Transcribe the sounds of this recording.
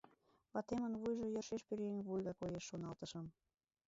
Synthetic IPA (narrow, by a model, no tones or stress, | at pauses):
βɑt̪emə̆nβujʒojərʃeʃpyɾenβujɣɑkojeʃːonɑlt̪əʃɤ̆m